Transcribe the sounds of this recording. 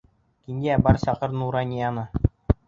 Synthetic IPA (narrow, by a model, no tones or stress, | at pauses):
kiŋæbɑɾsɑqɤɾnuɾɑnʲijɑnɤ